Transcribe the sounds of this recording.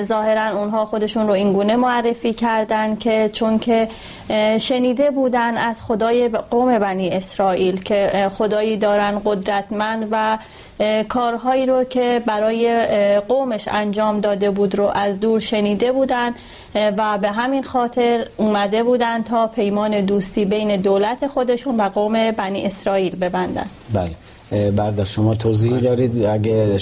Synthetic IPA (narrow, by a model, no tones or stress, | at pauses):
zɒːhe̞ɾænunɦɒːxo̞d̪e̞ʃunɾoiŋɡuːne̞moærːe̞fiːcʰæɾd̪ænd̪cʰe̞t͡ʃʰoncʰe̞ | ʃe̞niːd̪e̞buːd̪ænd̪æz̥xo̞d̪ɒːjeɢoːme̞bæniːe̞sɾɒːʔiːlcʰe̞xo̞d̪ɒːjiːd̪ɒːɾænd̪ɢo̞d̪ɾæt̪ʰmænd̪væ | kʰɒːɾɦɒːiːɾocʰe̞bæɾɒːje̞ɢomeʃænd͡ʒɒːmd̪ɒːd̪e̞buːd̪ɾoʔæzd̪uːɾʃe̞niːd̪e̞buːd̪ænd̪ | væbe̞ɦæminxɒːt̪ʰe̞ɾuːmæd̪e̞buːd̪ænd̪̚t̪ʰɒːpʰe̞jmɒːne̞d̪uːst̪iːbe̞jne̞d̪oːlæt̪ʰe̞xo̞d̪e̞ʃunvæɡoːme̞bæniːe̞sɾɒːiːlbe̞bænd̪æ̰nbæ̰ːle | bæɾd̪æʃomɒːt̪ʰozihid̪ɒːɾiːd̪æɡe